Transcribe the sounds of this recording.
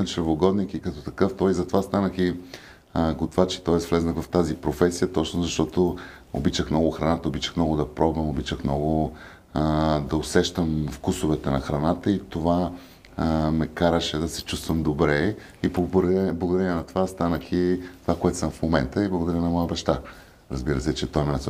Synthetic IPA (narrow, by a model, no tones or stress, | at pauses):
t͡ʃəɾvoɡɔd̪nikikɐt̪ɔt̪ɐkɤft̪ɔjizɐt̪ovast̪anəxi | ɡot̪ovat͡ʃɛ̥t̪ɔɛsvlɛznəɣvɐft̪azipɾofɛsijət̪ɔt͡ʃnozɐʃt̪ɔt̪o | o̰bit͡ʃəxmnɔɡʊxɾɐnat̪əobit͡ʃəxnɔɡʊd̪ɐpɾɔbvəmobit͡ʃəxmnɔɡʊ | d̪ɐosɛʃt̪əmfkusʊvɛt̪ɛnɐxɾɐnat̪əit̪ova | mɛkaɾəʃɛd̪ɐsɛt͡ʃust̪vəmd̪obɾɛ | ibblˠəɡod̪ɐɾɛnnɐt̪ovast̪anəxit̪ovakoɛt̪o̥səmfmomɛnt̪əiblˠəɡod̪ɐɾənɐmɔjəbɐʃt̪a | ɾəzbiɾəsɛt͡ʃɛt̪ɔjnnɛs